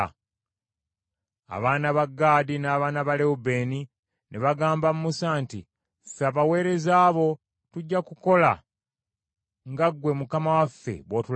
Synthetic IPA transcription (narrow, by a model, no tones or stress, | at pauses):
a̰βaːnaβaɡːaːdinaːβaːnaβaleube̞ːni | nʔeβaɡaːmbamumusaːnti | faβawe̞ːɾe̞zaːβo̞ | tuɟːakuko̞la̰ | ŋɡaɡwe̞mukamawafːe̞̰βwo̞ːtul